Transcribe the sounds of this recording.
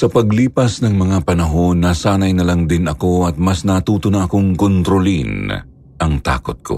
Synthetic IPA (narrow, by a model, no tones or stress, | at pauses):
sɐpɐɡliːpɐsnɐŋmɐŋapɐnɐɦo̞nːaːsaːnɐjnɐlaŋd̪ɪnɐko̞ɐt̪̚mɐsnɐt̪uːt̪ʊnaʔɐkoŋkont̪ɾolin | ʔɐŋt̪a̰ːkot̪̚kʰo̞̰